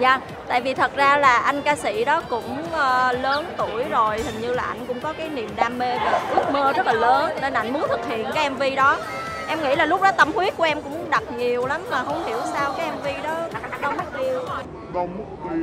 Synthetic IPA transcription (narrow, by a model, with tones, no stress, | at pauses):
zaː˨˩ | t̪a̰ː˧˨jvi˨˩t̪ʰə˨˩t̚zaː˧laː˨˩ʔa˧jŋ̟kaː˧sḭ˧˥ɗɔ˨˦kʊ̰˧˥ŋ͡mʔəː˧ləː˨˦nt̪u˧˩əjzo˨˩jhï˨˩ŋ̟ɲɨ˧laː˨˩ʔa˧jŋ̟kʊ̰˧˥ŋ͡mkɔ˨˦kaː˨˦jni˨˩əmɗaː˧mːe˧vaː˨˩ʔɨ˦˥ək̚məː˧zə˦˥laː˨˩ləː˨˦nne˧nʔa˧˩jŋ̟mu˨˦ənt̪ʰɨ˨˩k̚hḭ˧˨ənkaː˨˦jʔɛ˧mvi˧ɗɔ˨˦ | ʔɛ˧mŋḭ˧˥laː˨˩lʊ˦˥k͡p̚ɗɔ˨˦t̪ə˧mhwi˦˥ət̚kʔɛ˧mkʊ̰˧˥ŋ͡mɗa˨˩t̚ɲi˨˩əwla˨˦mmaː˨˩ɦə˧wŋ͡mhḭ˧˩əwsaː˧wkaː˨˦jʔɛ˧mvi˧ɗɔ˨˦ɗə˨˧˦wm̚˦˥i˧əw | ɗo˨˧m˦˥˧